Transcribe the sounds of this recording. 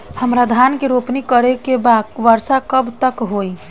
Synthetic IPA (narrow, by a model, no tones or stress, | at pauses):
həmɾad̪ʱankeɾopnikəɾekebadʋəɾsakəbt̪əkɦoj